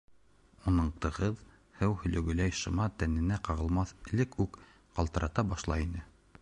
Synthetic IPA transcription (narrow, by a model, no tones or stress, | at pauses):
unɤɴt̪ɤ̆ʁɤð | hɘwhɵ̆lɵ̆ɡɵ̆læjʃɤ̆mɑt̪ænɘ̆næqɑʁɤ̆lˠmɑθɘ̆lɘkʉk | qɑlˠt̪ɤ̆ɾɑt̪ɑbɑʃlˠɑinɘ